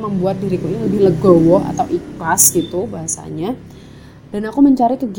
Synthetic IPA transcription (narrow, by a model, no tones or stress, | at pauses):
məmbuat̪̚diɾikuiniləbɪhləɡowɔa̰t̪awʔiklasɡit̪ubaɦasa̰ɲa | d̥anakuməɲt͡ʃaɾikəɡ